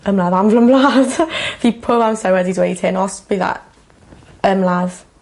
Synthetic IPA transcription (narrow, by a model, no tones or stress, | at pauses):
əmlaːðamvləmlad̥viːpʰʊlˠamsawɛdidwejdhɪnɔsb̥iða̰ʔ | əmlað